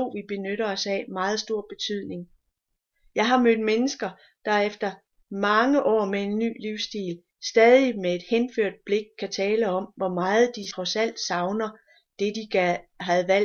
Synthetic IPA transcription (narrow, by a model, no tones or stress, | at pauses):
o̰ːʋib̥e̝nøɾ̥ɐɒ̽sæmɑ̈ːð̞̩ˠsd̥o̝ɐ̰b̥e̝t͡sʰyð̰ˠne̝ŋ | jɑ̈ɪɦɑ̈mød̥̚menəsɡ̥ɐ | d̥ɑ̈efd̥ɐ | mɑ̈ŋəʔɒ̰ːmee̝nːy̰ːliʊsd̥ḭːl | sd̥ɛːðˠimee̝d̥henføɐ̰d̥̚b̥le̝ɡ̥̚kʰːæt͡sʰɛːləɒ̽mʋɒmɑ̈ːð̞̩ˠd̥iʁɒ̽sæl̰d̥sɑ̈ʊnɐ | d̥e̝d̥iæɦæð̩ˠʋæl̰